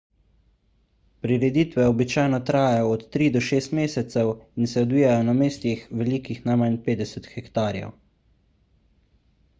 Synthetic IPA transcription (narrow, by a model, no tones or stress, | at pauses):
pɾiɾɛd̪iːt̪ʋɛɔbit͡ʃaːjnɔt̪ɾaːjajɔɔt̪ːɾiːd̪ɔʃeːst̪meːsɛt̪sɛwinsɛɔd̪ʋiːjajɔnameːst̪ixʋɛlikixnamanpeːd̪ɛsɛt̪xɛkt̪aːɾjɛ̰w